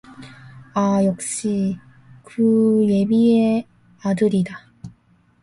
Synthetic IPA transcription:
ajʌk̚ɕ͈i | kɯje̞bie | adɯɾida

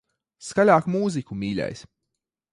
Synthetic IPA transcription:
skalʲaːkmuːzikumiːlʲɛ̰js

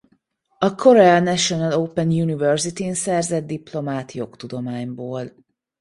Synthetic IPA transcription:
ɒkʰo̞ɾɛɒnɛʃo̞nɒloːpɛnjunivɛrzit̪insɛrzɛd̪̚d̪iplo̞maːt̪jo̞kt̪ud̪o̞maːɲboːl

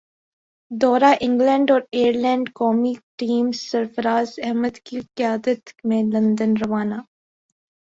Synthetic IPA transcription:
d̪ɔːɾaʔɪ̃ŋɡlɛ̃ːɳɖɔːɾeːəɾlɛ̃ːɳɖkɔːmiʈiːmsɐɾfəɾaːzɛɦməd̪kiqɪjaːd̪ət̪mẽlɐ̃nd̪ənɾɐʋaːnaː

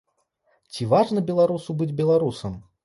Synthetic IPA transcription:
t͡sʲivaʐnɐbʲɛlˠaɾusubɨd͡zʲbʲɛlˠaɾusɐm

